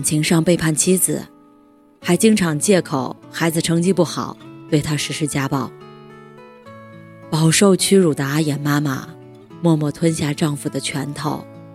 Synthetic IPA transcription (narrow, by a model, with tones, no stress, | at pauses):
nt͡ɕʰi˧˥ŋʂɑ˥˧ŋpe˥˧ɪpʰa˥˩nt͡ɕʰi˥d͡zɹ̩˨˩ | xa˧˥ɪt͡ɕi˥ŋʈ͡ʂʰɑ˧˥ŋt͡ɕjɛ˥˩kʰo˨˩ʊxa˧˥ɪd͡zɹ̩˨ʈ͡ʂʰɤ˧˥ŋt͡ɕi˥pu˥˩xɑ̰˨˩˦ʊt̪we˥˩ɪt̪ʰa˥ʂɻ̩˧˥ʂɻ̩˥t͡ɕja˥pɑ˥˩ʊ | pɑ˨˩ʊʂo˥˩ʊt͡ɕʰy˥ɻu˨˩d̪ə˧˦a˥jɛ˨˩nma˥ma̰˨˩ | mwɔ˥˧mwɔ˥˩t̪ʰwə˥nɕja˥˧ʈ͡ʂɑ˥˧ŋfu˨˩d̪ə˩t͡ɕʰɥɛ˧˥nt̪ʰo˥˩˦ʊ